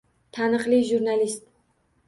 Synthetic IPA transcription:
t̪ʰanɨqliʒuɾnalist̪̚

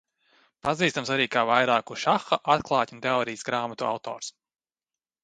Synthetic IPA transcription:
paziːst̪amsaɾiːkaːvajɾaːkuʃaxaʔat̪klˠɑːt̪ʲunt̪eɔːɾijsɡɾaːmat̪ua̰wt̪ɔ̰ːɾs

